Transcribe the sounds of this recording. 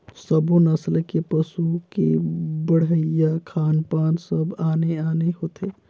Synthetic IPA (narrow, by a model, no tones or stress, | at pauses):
səbõnəslkepəsukḛbəɽ̤əjakʰaːnpaːnsəbaːneaːneɦoːt̪ʰeː